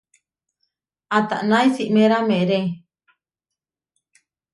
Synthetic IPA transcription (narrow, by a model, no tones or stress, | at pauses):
at̪a̰ʔnajsiʔmẽɾamẽɾe